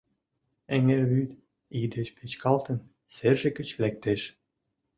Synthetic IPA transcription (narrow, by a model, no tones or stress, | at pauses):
eŋeɾβyt̪ | id̪ə̆ʃpʰet͡ɕkɑlˠt̪ə̆n | serʒɘ̆kə̆t͡ɕvlæk̚t̪eʃ